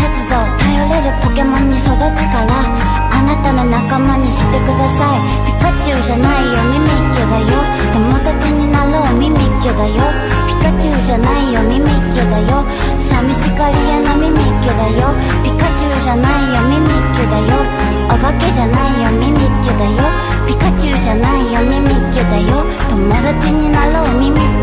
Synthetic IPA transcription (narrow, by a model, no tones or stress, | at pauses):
tot͡sɨd̪ot̪ajoɾe̞ɾɯ̟kokemõ̞ɲ̟ːiso̞d̪ot͡si̥kaβaː | nat̪ano̞nakamaɲ̟iɕi̥t̪ːe̞kɯ̟d̪asai | pʲi̥kat͡ɕɨːʑanaijo̞mimikʲːod̪ajo | t̪o̞mo̞d̪at͡ɕiɲ̟inaɾoːmʲimikʲːod̪ajo̞ | pʲi̥kat͡ɕɨɯʑanaijo̞mʲimekʲjod̪ajo̞ | samʲiɕikaɾʲijanomʲimikʲjod̪ajo | pʲikat͡ɕiɯʑanaijomʲimikʲjod̪ajo | aβaked͡ʑanaijomʲimikʲjod̪ajo | pʲikat͡ɕiɯʑanaijomimʲikʲjod̪ajo | t̪omod̪at͡ɕiɲ̟inaɾomʲimi